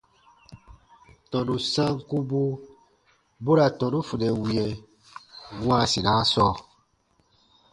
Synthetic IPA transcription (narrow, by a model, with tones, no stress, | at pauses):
tɔ̃˨du˨sã˦ŋ˦ku˦bu˦ | bo˦ɾa˨tɔ̃˨du˦fu˨dɛ˨wi˨jɛ˨ | wã˦˨sĩ˨nã˨˦sɔ˦˨